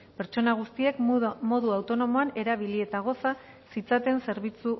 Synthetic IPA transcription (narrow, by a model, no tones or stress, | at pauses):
pe̞ɾt͡ʃo̞naɣ̞ust̪ie̞kmo̞ðuawt̪o̞no̞mo̞ane̞ɾaβilie̞t̪aɣ̞o̞sa | sit͡sat̪e̞nse̞ɾβit͡su